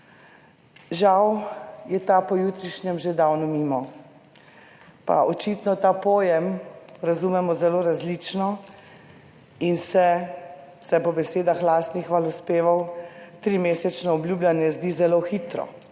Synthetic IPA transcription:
ʒawjɛt̪apɔjuːt̪ɾiʃnɛmʒɛd̪awnɔmiːmɔ | pa̰ʔɔt͡ʃit̪nɔt̪aːpɔːjɛmɾazumɛmɔzɛloɾazlit͡ʃnɔ | insɛ | sɛpɔbɛseːd̪axlaːst̪nixʋalɔspeːʋawt̪ɾiːmeːsɛt͡ʃnɔɔblʲjuːblʲjanjɛzd̪izɛloxit̪ɾɔ̰

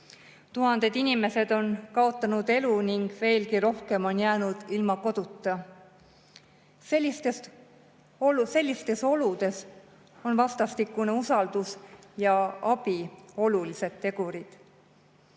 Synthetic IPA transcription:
t̪uɦɑnd̪̥e̞d̪̥inime̞se̞d̪̥o̞nkɑo̞t̪ːˑɑnud̪̥e̞luniŋɡ̥ve̞ːlkiɾo̞hke̞mo̞njæːnud̪̥ilmɑko̞d̪̥ut̪ːˑɑ | selʲːist̪es | ose̞lʲːist̪e̞so̞lud̪̥e̞s | o̞nvɑst̪ɑst̪ikːˑuneusɑld̪̥usjɑɑb̥io̞lulise̞d̪̥t̪ːe̞ɡ̥uɾid̪̥

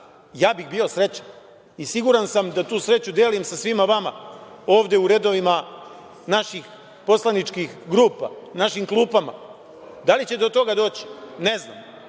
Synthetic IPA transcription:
jaːbixbiosɾe̞t͡ɕḁ | isiɡuɾansamd̪at̪uːsɾe̞t͡ɕud̪eːlimsasʋimaʋamao̞ːʋd̪e̞uɾe̞d̪o̞ʋima | naʃix | po̞slˠanit͡ʃkixɡɾuːpa̰naʃimklˠuːpama̰ | d̪alit͡ɕe̞d̪o̞t̪o̞ɡad̪o̞ːt͡ɕne̞zna̰mː

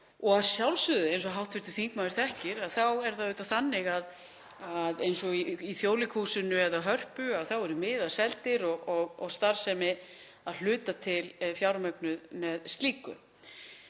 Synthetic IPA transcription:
ɔɣaðsjawlsʏðʏejnsɔɦawht̪fɪ̥t̪ʏ̥θiŋkmaːðɾ̥θɛhcɪɾaðθawɛɾ̥θaðʏːt̪aθanːɪɣað | aðejnsɔiiθjoːwlɪkʰuːsʏnʏɛðaɦœr̥pʏaðθawɛɾʏmɪːðaðsɛlt̪ɪɾɔɣɔɣɔ̰ɣst̪aɾsɛmɪ | aðl̥ʏːt̪at̪ʰɪlfjawɾmœknʏðmɛðst̪liːkʏ̰

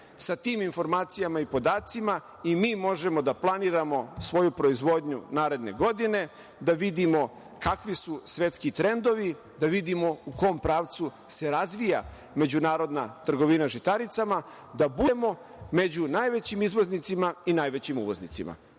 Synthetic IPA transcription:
sat̪iːminfo̞ɾmaːt̪sijamaipo̞d̪aːt̪sima | imiːmo̞ʒe̞mo̞d̪aplˠaniːɾamo̞sʋo̞jupɾo̞izʋo̞d̪ɲunaːɾe̞d̪ne̞̰ɡo̞d̪ine̞ | d̪aʋid̪imo̞ | kakʋisusʋe̞t̪skit̪ɾe̞nd̪o̞ʋi | d̪aʋid̪imo̞uko̞mpɾaːʋt̪su | se̞ɾazʋija̰ | me̞d͡ʑunaːɾo̞d̪nat̪r̩ɡo̞ʋinaʒit̪aɾit̪sama | d̪abumo̞ | me̞d͡ʑunaːjʋe̞t͡ɕimizʋo̞znit̪simainaːjʋet͡ɕimuʋo̞znḭt̪sḭma̰

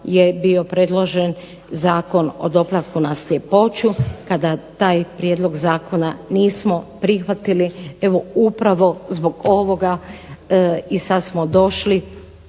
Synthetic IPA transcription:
jebio̞pɾed̪lˠo̞ʒen | zaːko̞no̰d̪o̞plat̪kunaslʲjepo̞t͡ʃukad̪at̪aːjpɾjed̪lˠo̞ɡzaːko̞naniːsmopɾixʋat̪ilie̞ʋo̞upɾaʋo̞zbo̞ɡo̞ʋo̞ɡa | isad̪smod̪o̞ʃli

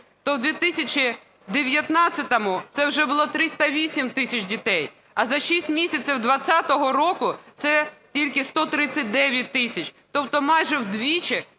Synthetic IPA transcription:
t̪ɔwd̪ʋʲit̪ɪsʲɐt͡ʃʲɪ | d̪eʋʲjɐt̪nɑt͡sʲːɐt̪ɐmʊt̪sɛwʒɛbʊlˠɔt̪ɾɪst̪ɐʋʲisʲimt̪ɪsʲɐt͡ʃdʲit̪ɛj | ɐzɐʃʲisʲtʲmʲisʲɐt͡sʲiwd̪ʋɐt͡sʲːat̪ɔɦɔɾɔkʊt̪sɛtʲilʲkɪst̪ɔt̪ɾɪt͡sʲːɐt̚ʲd̪ɛʋʲjɐt̚ʲt̪ːɪsʲɐt͡ʃt̪ɔp̚t̪ɔmɑjʒɛwd̪ʋʲit͡ʃɪ

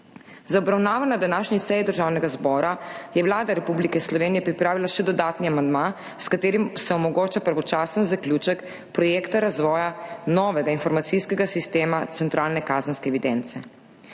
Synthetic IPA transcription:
zaɔbɾawnaːʋɔnad̪anaːʃɲisɛjid̪əɾʒawnɛɡazbɔːɾajɛʋlaːd̪aɾɛpublikɛslɔʋeːnijɛpɾipɾaːʋilaʃɛd̪ɔd̪aːt̪niamand̪ma | skat̪eːɾimsɛɔmɔɡoːt͡ʃapəɾʋɔt͡ʃaːsənzaklʲjuːt͡ʃək | pɾɔjekt̪aɾazʋɔːjanɔːʋɛɡainfɔɾmat̪siskɛɡasist̪eːmat̪sɛnt̪ɾʔaːlnɛkaːzənskɛɛʋid̪ɛnt̪sɛ

